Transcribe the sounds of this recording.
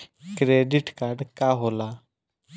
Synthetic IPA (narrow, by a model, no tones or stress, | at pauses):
kɾeːɖiʈkaːɾɖkaːɦoːlaː